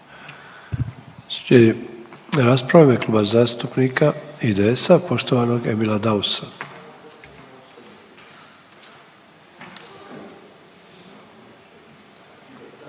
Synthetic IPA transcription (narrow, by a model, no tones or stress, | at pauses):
seiɾaspɾaʋimjeklˠuːbazaːst̪upnikaid̪eesapo̞ʃt̪oʋano̞ɡemilad̪ausa